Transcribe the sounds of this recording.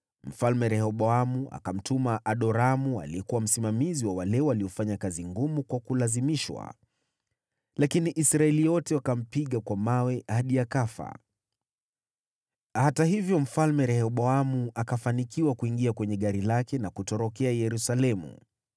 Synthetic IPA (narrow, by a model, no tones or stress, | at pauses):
m̩falmɛɾɛhɔɓɔamuʔa̰kam̩tumaʔaɗɔɾamua̰liɛkuwam̩simamiziwawalɛɔwaliɔfaɲakaziŋɡumukwakulazimiʃwa̰ | lakiniʔisɾaɛlijɔtɛwakam̩piɠakwamawɛhaɗijakafa̰ | hataɦivjɔm̩falmɛɾɛhɔɓɔamuʔakafanikiwakuiŋɡiakwɛɲɛɠaɾilakɛnakutɔɾɔkɛajɛɾusalɛmṵ